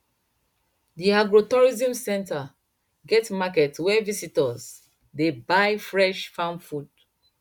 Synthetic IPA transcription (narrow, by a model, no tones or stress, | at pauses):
diaɡɹotɔɹizĩmsɛ̃nta | ɡɛtmakɛtwɛvisitɔz | debaɪfɹɛʃfãnfud̚